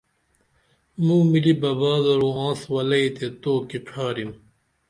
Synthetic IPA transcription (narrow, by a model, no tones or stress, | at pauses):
mũːmilibɐbaːd̪ɐɾuːãːswɐlɐit̪et̪oːkiʈ͡ʂʰaːɾim